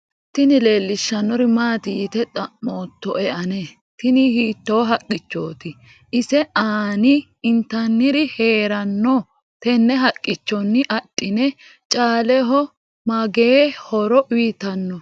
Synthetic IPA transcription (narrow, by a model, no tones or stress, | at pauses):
t̪ɪnɪle̞ːlːɪʃːɐnːɔɾɪmaːt̪ɪjɪt̪ɛt̪ʼɐoːt̪ːɔʔɛʔɐne | t̪ɪnɪhiːt̪ːo̞ːɦɐkʼːɪt͡ʃːo̰ːt̪ɪ | ʔɪsɛʔaːnɪ | ɪnt̪ɐnːɪɾɪheːɾɐnːɔ | t̪ɛnːɛɦɐkʼːɪt͡ʃːɔnːɪʔɐtʼːɪnɛ | t͡ʃʼaːlɛɦɔ | mɐɡeːhɔɾɔʔwiːt̪ɐnːɔ